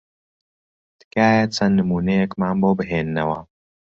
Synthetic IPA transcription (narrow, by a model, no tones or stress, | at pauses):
d̪̥ɨ̥kaːjɐt͡sʰɐnːɨmuːnɐjekmaːnboːbɨɦeːnːɐwɐ